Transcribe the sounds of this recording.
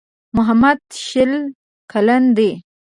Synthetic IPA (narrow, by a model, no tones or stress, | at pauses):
mʊɦamad̪ʃɪl | kaland̪e